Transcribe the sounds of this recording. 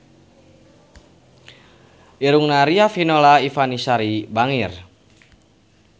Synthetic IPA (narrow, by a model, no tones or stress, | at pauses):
ʔiɾuŋnaɾiafinolaifanisaɾibaŋir